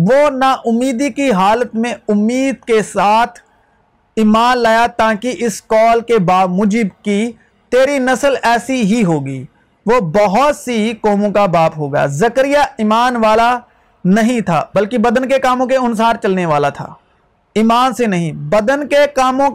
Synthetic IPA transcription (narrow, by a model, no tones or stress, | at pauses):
ʋoːnaʔʊmːiːd̪ikiɦaːlət̪mẽʊmːiːd̪̚kesaːt̪ʰ | imaːnlaːjat̪aːkiʔɪskɔːlkebaːpmʊd͡ʒɪbki | t̪eːɾinɐsəlɛːsiɦiɦoːɡiː | ʋobɐɦʊt̪sikɔːmõkabaːpɦoɡɐja̰ːzɐkɾɪjaɪmaːnʋaːla | nɐɦĩt̪ʰa̰ːbɐlkibɐd̪ənkekaːmõkeʊnsaːɾt͡ʃɐlneʋaːlat̪ʰa̰ː | imaːnsenɐɦĩbɐd̪ənkekaːmõ